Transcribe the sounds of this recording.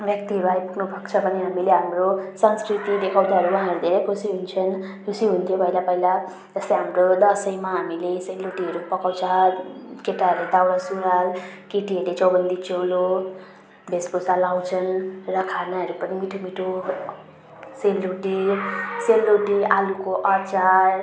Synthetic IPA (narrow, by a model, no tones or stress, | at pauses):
bjʌk̚t̪iɦʌɾuaipukʰnubʱʌkt͡sʰʌbʌniɦamileɦamɾosʌnskɾit̪id̪ekʰawd̪aɦʌɾuwʌɦãɾud̪ʱeɾekʰusiɦunt͡sʰʌnkʰusiɦunt̪ʰjobʱʌilapʌɦila | d͡zʌslejɦamɾod̪ʌsʌjmaɦamileseluʈiɦʌɾupʌkaw̃t͡sʰʌkeʈaɦɾled̪awɾasuɾalkeʈiɦʌɾlet͡sʌwbʌnd̪it͡ʃolo | bʱesbosalaw̃t͡sʰʌnrʌkʰanaɦʌɾupʌnimiʈʰumiʈʰu | selːuɖiselːoɖialukoʔat͡ʃar